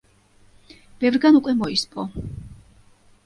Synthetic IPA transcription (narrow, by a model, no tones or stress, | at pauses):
b̥ɛvɾɡanukʼwɛmɔispʼɔ